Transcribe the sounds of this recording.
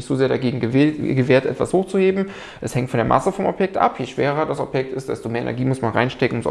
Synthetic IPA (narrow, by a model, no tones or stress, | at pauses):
ɪçz̥oːzeːɐɾaɡeːɡŋ̩ɡəɡəveːɐtʔɛ̰tv̥ashoːxt͡suheːbm̩ | ʔɛshɛŋtfɔndeːɐmʔa̰səfɔmɔ̰pjɛk̚tʔa̰pʰjeʃv̥eːʁɐdasɔ̰pjɛk̚tɪstd̥ɛstomeːɐʔḛnɛɐɡiːmʊsmanʁa̰ɪnʃtɛkŋ̩ʊms